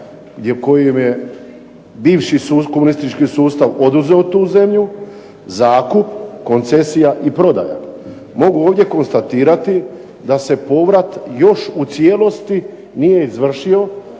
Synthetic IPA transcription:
ɡd̪jeko̞jemje̞ | biːʋʃiukomunist̪it͡ʃkisuːst̪aʋo̞d̪uze̞ot̪uːze̞mʎu | zaːkupko̞nt̪se̞sijaʔipɾo̞d̪a̰ja̰ | mo̞ɡuoːʋd̪je̞ko̞nst̪at̪iːɾat̪i | d̪ase̞po̞ʋɾat̪jo̞ʃut̪sje̞lo̞st̪i | nije̞izʋr̩ʃio̞

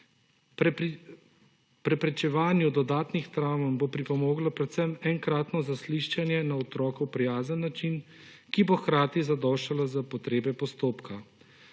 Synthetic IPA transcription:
pɾɛpɾɛt͡ʃɛʋaːnjud̪ɔd̪aːt̪nixt̪ɾamnbopɾipɔmoːɡlɔpɾɛt̪sɛmɛŋkɾaːt̪nɔzasliʃt͡ʃanjɛnaɔt̪ɾɔːkɛwpɾijaːzənːat͡ʃin | kiboxkɾaːt̪izad̪ɔːʃalazapɔt̪ɾeːbɛpɔst̪oːpkʰa

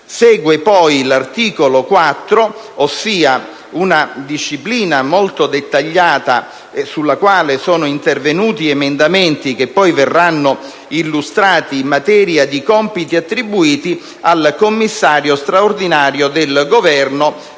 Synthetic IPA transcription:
sɛːɡwepɔjlart̪iːkolokwat̪ːɾo | osːiːa | unad̪iʃːipliːnamolt̪od̪et̪ːaʎːaːt̪a | sulːakwaːlesɔːnoint̪ervenuːt̪iemend̪amɛnt̪ik̟epːɔjvɛrːanːo | ilːust̪ɾaːt̪iːmːat̪ɛːɾjad̪ikɔmpit̪iat̪ːɾibːuiːt̪i | alkomːisːaːɾjost̪ɾaord̪inaːɾjod̪elɡovɛrno

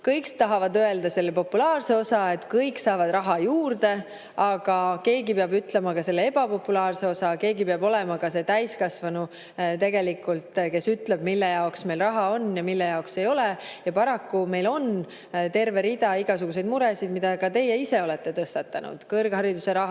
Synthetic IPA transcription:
kɤjkst̪ɑɦɑvɑd̪øe̞ld̪ɑse̞lːepo̞pːulɑːrse̞o̞sɑe̞t̪kɤjkːsɑːvɑd̪rɑɦɑjuːrd̪e̞ | ɑɡ̥ɑke̞ːɡipeɑbyt̪le̞mɑkɑse̞lːee̞b̥ɑpo̞pːulɑːrse̞o̞sɑke̞ːɡipeɑbo̞lɛmɑkɑse̞t̪æjskɑsvɑnu | t̪e̞ɡe̞likːˑult̪ke̞syt̪leb̥̚milːe̞jɑoksme̞lrɑɦɑo̞nːjɑmilːe̞jɑokse̞jo̞lejɑpɑɾɑkːume̞jlo̞n | t̪e̞rve̞ɾid̪̥ɑiɡ̥ɑsuɡ̥use̞jd̪̚muɾesid̪mid̪̥ɑkɑt̪e̞jːeise̞o̞lɛt̪ːe̞t̪ɤst̪ɑt̪ːˑɑnṵd̪̥kɤrɡ̥hɑɾid̪use̞ɾɑɦ

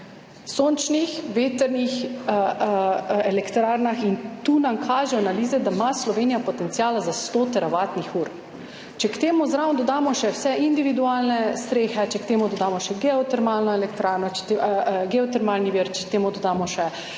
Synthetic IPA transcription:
soːnt͡ʃnixʋeːt̪əɾnix | ɛlɛkt̪ɾaːɾnaxint̪uːnamkʰaːʒɛɔanaliːzɛd̪amaslɔʋeːnijapɔt̪ɛnt̪sjaːlazast̪ot̪ɛɾaʋaːt̪nixuːɾ | t͡ʃɛkt̪eːmuzɾawnd̪ɔd̪aːmɔʃɛwsɛind̪iʋid̪uaːlnɛst̪ɾeːxɛt͡ʃɛkt̪eːmud̪ɔd̪aːmɔʃɛɡɛɔt̪ɛɾmalnɔɛlɛkt̪ɾaːɾnɔt͡ʃɛ̥t̪ːɡɛɔt̪ɛɾmalniʋiɾt͡ʃɛkt̪eːmud̪ɔd̪aːmɔʃɛ

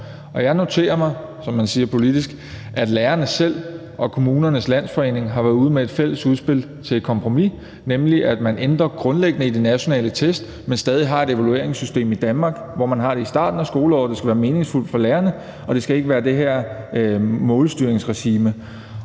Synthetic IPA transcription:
ɒ̽jɑ̈ɪno̝t͡sʰe̝̰ːɐmɑ̈ɪ | sɒ̽mːænsiːɐpʰo̝lid̥isɡ̥ | ʔæd̥læːɐnəsel̰ | ʔɒ̽kʰo̝muːnɐnəslæn̰sfɒ̽e̝̰ːne̝ŋɦɑ̈ʋæɐðˠuːð̞ˠmee̝d̥fel̰əsuð̞ˠsb̥e̝l̰ | t͡sʰe̝kʰɒ̽mpʰʁo̝mi | nemliʔæd̥mænʔend̥ʁɐɡ̥ʁɔ̽nleɡ̥ənəid̥e̝næɕo̝nɛ̰ːlət͡sʰesd̥ | mensd̥ɛːð̞ˠiɦɑ̈e̝d̥e̝ʋælue̝̰ɐ̰eŋsysd̥e̝̰ːmid̥ænmɑ̈ːɡ̥ʋɒmænɦɑ̈ɾ̥e̝isd̥ɑ̰̈ːd̥n̩æsɡ̥o̝ːləɒ̰ʊ̰d̥e̝sɡ̥æʋæːɐme̝ːne̝ŋsful̰d̥fɒ̽læːɐnə | ɒ̽d̥e̝sɡ̥æe̝ɡ̥əʋæːɐd̥e̝ɦæɐ̰ | mɔ̽ːlsd̥yːɐeŋsʁɛɕiːmə

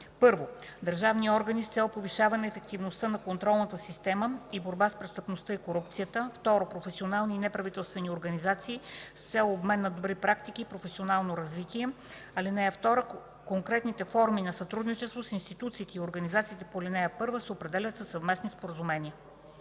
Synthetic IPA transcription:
pɤɾvod̪ɐɾʒavniɔɾɡənist̪sɛlˠpoviʃavɐnɛːfɛk̚t̪ivnost̪ənɐkont̪ɾɔlˠnət̪əsist̪ɛməiboɾbaspɾɛst̪əpnost̪əikoɾupt̪sijət̪əft̪ɔɾopɾofɛsionalˠniːnɛpɾɐvit̪ɛlˠst̪vɛnioɾɡɐnizat̪siːst̪sɛlˠobmɛnːɐd̪obɾipɾakt̪ikiːpɾofɛsionalˠnoɾɐzvit̪iɛ | ɐlinɛjəft̪ɔɾə | koŋkɾɛt̪nit̪ɛfɔɾminɐsɐt̪ɾud̪nit͡ʃɛst̪vosinst̪it̪ut̪siːt̪ɛioɾɡɐnizat̪siːt̪ɛpolʲinɛjəpɤɾvəsɛopɾɛd̪ɛlʲət̪səsɐvmɛsnispoɾəzumɛnʲiə

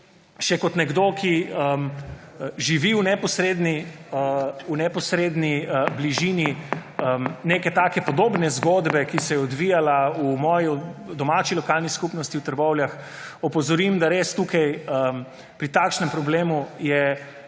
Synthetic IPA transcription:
ʃɛkɔt̪nɛɡd̪okiəm | ʒiʋiunɛpɔsɾed̪ni | unɛpɔsɾeːd̪nibliʒiniənekɛt̪aːkɛpɔd̪oːbnɛzɡod̪bɛkisɛjɛɔd̪ʋijalaumɔːjɔd̪ɔmat͡ʃilɔkalniskupnɔst̪iwt̪əɾbɔwljax | ɔpɔzɔɾimd̪aɾest̪ukajəm | pɾit̪aːkʃnɛmpɾɔbleːmujɛ

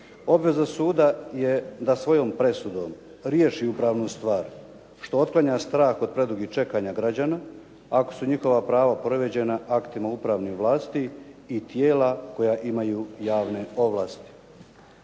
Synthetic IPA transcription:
o̞bʋe̞zasuːd̪ajed̪asʋo̞jo̞ːmpɾe̞sud̪o̞ːm | ɾjeʃiupɾaːʋnust̪ʋaːɾ | ʃt̪o̞ot̪̚klˠaɲast̪ɾaːxo̞d̪̚pɾe̞d̪uɡit͡ʃe̞kaːɲaɡɾad͡ʑana | ako̥suɲixo̞ʋapɾaːʋapɾoʋed͡ʑe̞naʔakt̪imaupɾaʋniʋlˠaːst̪iːt̪je̞ːlako̞jaʔimajuːjaːʋne̞o̞ʋlaːst̪i̥

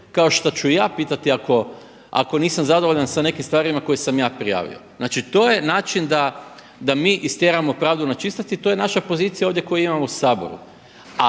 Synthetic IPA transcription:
kao̞ʃt̪ot͡ɕuijaːpiːt̪at̪iako̞ | a̰ko̞niːsamzad̪oʋoʎansane̞kimst̪ʋaːɾimako̞jesamjaːpɾija̰ːʋḭo̰znaːt͡ʃit̪oːjenaːt͡ʃind̪a | d̪amiːʔist̪jeɾamopɾaːʋd̪unat͡ʃist̪at̪it̪o̞je̞naʃapo̞ziːt̪sijaoʋd̪je̞ko̞juimamousaːbo̞̰ɾṵ | a

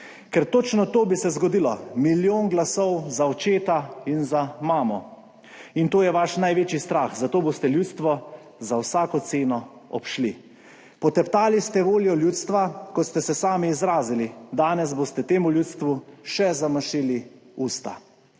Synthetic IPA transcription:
kɛɾt̪oːt͡ʃnɔt̪oːbisɛzɡɔd̪ilɔmiljoːnɡlasɔwzaɔt͡ʃeːt̪ainzamaːmɔ | int̪oːjɛʋaʃnajʋeːt͡ʃjist̪ɾaːxzat̪oːboːst̪ɛljuːt̪st̪ʋɔ | zawsaːkɔt̪seːnɔɔpʃli | pɔt̪ɛpt̪aːlist̪ɛʋoːljɔljuːt̪st̪ʋakɔt̪st̪ɛsɛsaːmiːzɾaːzilid̪aːnɛs̬bost̪ɛt̪eːmuljuːt̪st̪ʋuʃɛzaməʃili | uːst̪a

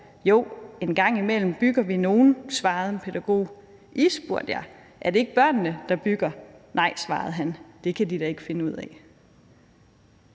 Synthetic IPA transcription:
jo̝ʊ̰e̝nɡ̥ɑ̈ŋ̰imel̰m̩b̥yɡ̥ɐʋino̝ːn̩sʋɑ̈ːð̞̩ˠenpʰe̝ð̥æɡ̥o̝̰ː | ʔisb̥uɐ̰d̥jɑ̈ɪ | ʔæɐd̥e̝e̝ɡ̥əb̥ɶɐ̰nːəd̥ɑ̈b̥yɡ̥ɐnɑ̈ɪsʋɑ̈ːð̞̩ˠɦænd̥e̝kʰæd̥id̥æe̝ɡ̥fe̝nəuð̰ˠɛ

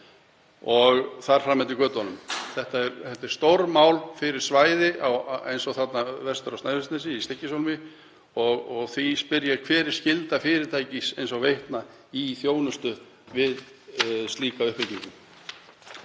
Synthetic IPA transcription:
ɔɣθaɾ̥fɾamɛnt̪ɪkœːt̪ɔnʏmθɛht̪aɛɾɛht̪ɪ̥st̪owɾmaːwlfɪɾɪɾ̥svaːjðɪʔawḛjnsɔɣθat̪navɛst̪ʏɾawst̪najvɪst̪nɛsɪist̪ɪhcːɪsowlmɪ | ɔɣɔɣθispɪɾjaɾkʰvɛːɾɪɾ̥scɪlt̪afɪːɾɪɾt̪ʰaːjcisejnsɔɣvejht̪na | iθjoːwnʏst̪ʏ | vɪð | st̪liːkaʏhpɪt̪niŋkʏm

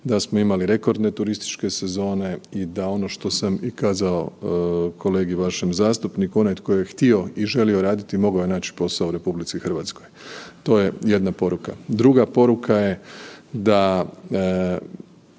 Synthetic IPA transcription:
d̪asmoimaliɾe̞ko̞ɾd̪ne̞t̪uɾist̪i̥t͡ʃke̞se̞zo̞ːne̞id̪ao̞no̞ʃt̪o̞samikaːzao̞kʰo̞le̞ːɡiʋaʃemzaːst̪upnikuo̞naj̪ko̞jojext̪io̞iʒe̞lio̞ɾaːd̪it̪imo̞ɡaoje̞naːt͡ʃi̥po̞saouɾe̞publit̪sixr̩ʋat̪sko̞jt̪o̞ːje̞je̞d̪napo̞ɾukad̪ɾuɡapo̞ɾukʰaje̞d̪a

